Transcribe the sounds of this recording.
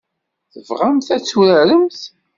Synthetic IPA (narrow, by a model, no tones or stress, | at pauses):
θəvʁamθæt͡sːuɾæɾəmθ